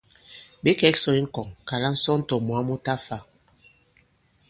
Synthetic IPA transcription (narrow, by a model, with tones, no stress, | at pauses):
be˦kɛ˨˦ksɔ˨i˦ŋ̩˦kɔ˨ŋka˨la˦n̩˦sɔ˦n̩˦tɔ˨mwa˨˦mu˦ta˦fa˦˨